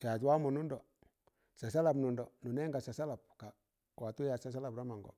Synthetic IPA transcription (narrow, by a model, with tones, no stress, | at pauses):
t͡ʃa˨twa˦mu˨nu˦ndɔ˨ | sa˨sa˦la˨bnu˨ndɔ˨nu˨nɛ˦ŋɡa˨sa˨sa˦la˨p̚ka˨ | wa˨tu˦ja˨sa˦s̬a˦la˨bɾa˦ma˨ŋɡɔ̰˨